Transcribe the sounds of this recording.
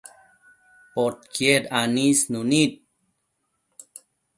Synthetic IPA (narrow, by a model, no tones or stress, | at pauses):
pot̪̚kjeɾanisnunit̪̚